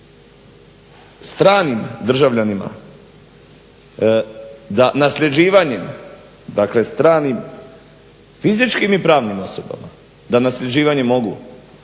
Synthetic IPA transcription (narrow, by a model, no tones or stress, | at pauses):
st̪ɾaːnimd̪r̩ʒaʋʎanima̰ | d̪anasʎʲed͡ʒiːʋaɲem | d̪akle̞st̪ɾaːnim | fizit͡ʃkimipɾaːʋnimo̞soba̰ma̰ | d̪anasʎʲe̞d͡ʒiːʋaɲe̞mo̞ɡṵ